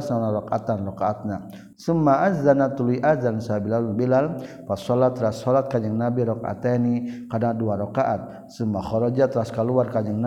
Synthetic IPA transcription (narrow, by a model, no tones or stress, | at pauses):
sanaɾɔkat̪anrɔkaːt̪̚na | sumːaʔazzanat̪ulujʔazansabilalunbilal | pasɔlat̪ɾasɔlat̪̚kaɲəŋnabiɾɔka̰t̪anikadaduaɾɔkaʔat̪̚ | sumːaxɔɾɔd͡ʒat̪ɾaskaluarkad͡ʒəŋn